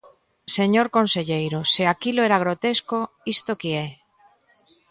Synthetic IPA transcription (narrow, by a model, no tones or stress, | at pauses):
seɲoɾkonseʎejɾoseakiloeɾaɣ̞ɾot̪esko | ist̪okeɛ